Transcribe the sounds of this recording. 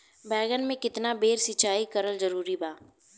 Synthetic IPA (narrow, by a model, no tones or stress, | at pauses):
bɛːɡənmẽkɪt̪nabeːɾsɪt͡ʃaːikɐɾəlzɐɾuːɾibaː